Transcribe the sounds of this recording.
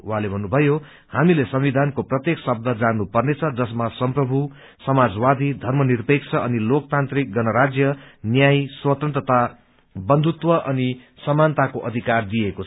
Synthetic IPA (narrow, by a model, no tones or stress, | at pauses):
wɦãlebʱʌnːubʱʌjo | hamilesʌmwid̪ʱankoprʌt̪jeksʌb̚d̪ʱʌd͡zanːupʌrnet͡sʰʌd͡zʌsmasʌmprʌbʱu | sʌmad͡zwad̪ʱid̪ʱʌrmʌnirpek̚t͡sʰʌʌnilok̚t̪ant̪rik̚ɡʌnʌɾad͡zjʌnjajswʌt̪ʌnt̪rʌt̪a | bʌnd̪ʱut̪wʌʔʌni | sʌmant̪akoʔʌd̪ʱikard̪iekot͡sʰ